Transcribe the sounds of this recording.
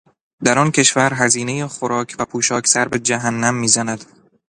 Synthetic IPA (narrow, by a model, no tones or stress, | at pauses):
d̪æɾɒncʰe̞ʃvæɾɦæziːne̞jexoɾɒːcʰvæpʰuːʃɒːcʰsæɾbed͡ʒæɦænːæmːiːzænæd̪̥